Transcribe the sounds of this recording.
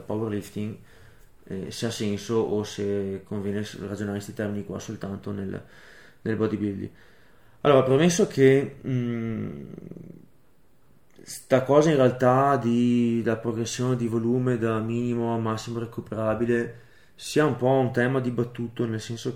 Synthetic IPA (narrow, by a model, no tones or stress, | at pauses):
pawerlift̪iŋ | ɛ̰seasɛnsoʔosekʰoɱvjɛːnerad͡ʒonaːɾest̪it̪ɛrminikwa̰solt̪ant̪onel | nelbɔd̪ibild̪ḭ | alːoːɾapɾemesːokʰe | st̪akɔːzainrealt̪ad̪ilapɾoɡɾesːjoːned̪ivoluːmed̪amiːnimoamasːimoɾekupeɾabile | siːaumpɔunt̪ɛːmad̪ibat̪ːuːt̪onelsɛnso